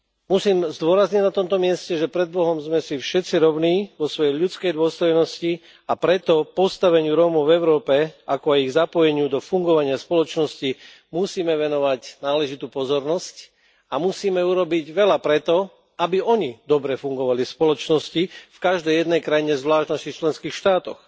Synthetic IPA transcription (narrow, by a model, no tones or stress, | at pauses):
musiːmzd̪ʊɔɾazɲiɟnat̪ɔmt̪ɔmɪɛscɛʒɛpɾɛd̪̚bɔɦɔmzmɛsifʃɛtt͡siɾɔʊniːʋɔsʋɔjɛjʎut͡skɛjd̪ʊɔst̪ɔjnɔsci | apɾɛt̪ɔpɔst̪aʋɛɲɪuɾɔmɔʊvɛʊɾɔːpɛakɔajiɣzapɔjɛɲɪud̪ɔfuŋɡɔʋaɲɪaspɔlɔt͡ʃnɔsci | musiːmɛʋɛnɔʋacnaːlɛʒit̪upɔzɔɾnɔsc | amusiːmɛuɾɔbiɟʋɛʎapɾɛt̪ɔ | abiɔɲid̪ɔbɾɛfuŋɡɔʋalispɔlɔt͡ʃnɔscifkaʒd̪ɛjjɛd̪nɛjkɾajiɲɛzʋlaːʃt̪nasit͡ʃlɛnskiːxʃt̪aːt̪ɔ̰x